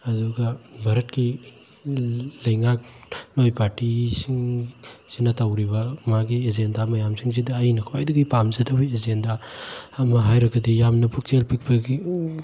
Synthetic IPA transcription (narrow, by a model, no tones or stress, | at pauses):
ɐduɡɐbʱaɾɐt̚ki | lɐjŋak̚nojpaɾtisiŋsinɐtawɾibɐmaɡiezendamɐjamsiŋs̬idɐːjnɐkʰwajdɐɡijpamzetʰabiezendaː | mɐɦajɾɐɡɐdijamnɐpʰuk̚t͡ʃelpik̚bɐɡi